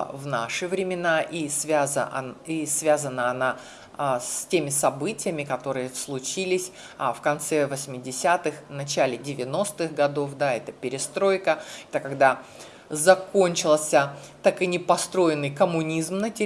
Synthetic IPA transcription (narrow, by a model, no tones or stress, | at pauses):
vnaʂɨvɾʲɪmʲɪnaʔisvʲazəisvʲazənəɐna | stʲemʲɪsɐbɨtʲɪjəmʲɪkɐt̪o̞ɾɨjəslˠʊt͡ɕilʲɪsʲ | fkɐnt̪sɛvəsʲmʲɪdʲɪsʲat̪ɨxnɐt͡ɕælʲɪdʲɪvʲɪno̞st̪ɨxɡɐd̪o̞fd̪aɛt̪əpʲɪɾʲɪst̪ɾo̞jkəɛt̪əkɐɡd̪a | zɐkonʲt͡ɕɪlˠsʲə | t̪akɨnʲɪpɐst̪ɾo̞jɪnːɨjkəmʊnʲizmnətʲɪ